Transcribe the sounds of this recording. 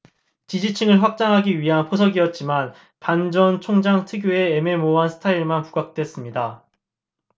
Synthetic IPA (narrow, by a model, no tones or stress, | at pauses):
t͡ɕid͡ʑit͡ɕʰiŋɯɭɸwak̚t͡ɕ͈aŋɦaɡiɥiɦanpʰos̬ʰʌɡiʌt̚t͡ɕ͈iman | pand͡ʑʌnt͡ɕʰoŋd͡ʑaŋtʰɯɡjoe̞eme̞moɦansʰɯ̥tʰaiɭmanpuɡak̚t͈we̞s͈ɯmɲida